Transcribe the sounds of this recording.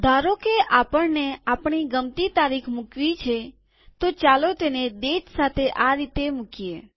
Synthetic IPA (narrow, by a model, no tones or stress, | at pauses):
d̪ʱaɾokeʔapəɳneapɳ̃iɡəmt̪it̪aɾikʰmukʋit͡ʃʰe | t̪ot͡ʃalot̪ened̪eʃsat̪ʰeʔaɾit̪emukije